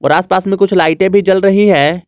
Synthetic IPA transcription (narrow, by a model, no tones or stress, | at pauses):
ɔ̰ːɾaːspaːsmẽkʊt͡ʃʰlaːɪʈẽbʱid͡ʒɐlɾɐɦiɦɛ̃ː